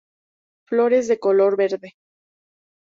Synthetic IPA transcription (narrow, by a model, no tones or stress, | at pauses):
flo̞ɾe̞zðe̞ko̞lo̞ɾβe̞ɾðe̞